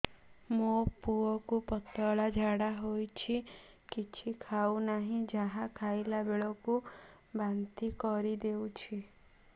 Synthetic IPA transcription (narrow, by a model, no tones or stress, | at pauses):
mopuɔkupɔt̪ɔɭad͡ʒʱaɽaɦojt͡ʃʰi | kit͡ʃʰikʰaunaɦĩd͡ʒaɦãkʰajlabeɭɔku | bant̪ikɔɾid̪eut͡ʃʰi